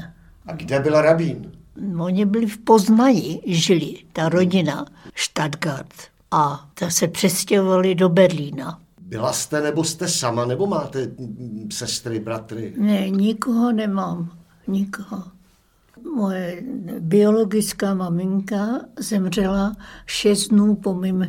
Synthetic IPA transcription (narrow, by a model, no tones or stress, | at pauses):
ʔaɡdɛbɪlɾabiːn | oɲɪbɪlɪfpo̞znajɪʒɪlɪt̪aɾo̞ɟɪnaʃt̪adɡaɾt̪ | ʔat̪asɛpr̥ɛscɛɦovalɪdo̞bɛɾliːna | bɪlast̪ɛnɛbost̪ɛsamanɛbomaːt̪ɛsɛst̪ɾɪbɾat̪ɾɪnɛɲɪkoɦo̞nɛmaːm | ɲɪkoɦo | mojɛbɪo̞lo̞ɡɪt͡skaːmamɪŋkazɛmr̝ɛlaʃɛzdnuːpo̞mim